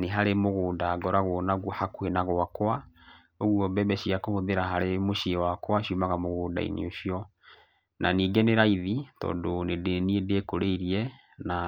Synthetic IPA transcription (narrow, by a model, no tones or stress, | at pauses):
neɦaɾemoɣoːndaɡɔɾaɣonaɣwɔhakuenaɣwakwa | oɣwɔbɛbɛɕiakohoðeɾaɦaɾemoʃiwakwaʃiumaɣamoɣoːnda̰ḭnḛoɕiɔ | naniːɡeneɾaiðitɔ̰ːndonedniedeekoɾeiɾiɛ | na